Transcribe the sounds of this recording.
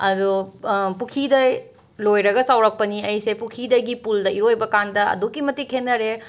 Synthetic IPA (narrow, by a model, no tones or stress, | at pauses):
ɐdupukʰidɐj | lojɾɐɡɐsawɾɐk̚pɐniɐjsepukʰidɐjɡipuldɐiɾojbɐkandɐɐ̰dukːimɐtːikʰenːɐɾe